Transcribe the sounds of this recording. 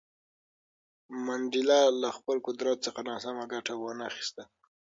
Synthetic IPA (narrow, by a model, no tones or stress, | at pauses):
mand̪ɪlɑlaxpəlkʊd̪ɾɑt̪̚t͡səxanɑsamaɡaʈawənaxi̥st̪a